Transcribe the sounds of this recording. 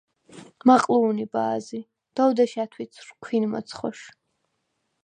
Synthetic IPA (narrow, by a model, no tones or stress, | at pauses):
maqʼluːnibaːzi | d̪̥ɔwd̪aʃat̪ʰwisʰrkʷʰinmɔ̰t̪sʰχɔʃ